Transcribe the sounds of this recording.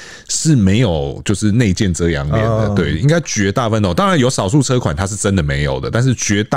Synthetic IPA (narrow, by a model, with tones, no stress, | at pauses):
ʂɻ̩˥˩me˧˥ɪjo˨˩ʊt͡ɕjo˥˧ʊʂɻ̩˥˧ne˥˧ɪt͡ɕjɛ˥˩nt͡sɤ˦jɑ̰˧˦ŋmjɛ̰˨˩nd̪ə̰˦we˥˩ɪi˥ŋɡa˥ɪt͡ɕɥɛ˧˥t̪a˥˨fə˦no˨˩t̪ɑ˥ŋɻa˨˦njo˧˥ʊsɑ˨˩ʊs̬u˥˩t͡sʰɤ˥kʰwa˨˩nt̪ʰa˥ʂɻ̩˥˩ʈ͡ʂə˦nd̪ə˨me˧˥ɪjo˨˩ʊd̪ə˦t̪a˥˧nʂ̬ɻ̩˥˩t͡ɕɥɛ˧˥t̪a˥